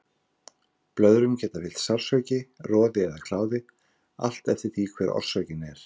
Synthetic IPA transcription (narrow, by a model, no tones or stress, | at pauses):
plœðɾʏmcɛːt̪afɪl̥t̪sawr̥svœɥcɪrɔːðɪɛðakʰlaːwðɪ | a̰l̥t̪ɛft̪ɪθikʰvɛːɾʔɔ̰r̥svœɥcɪnɛɾ̥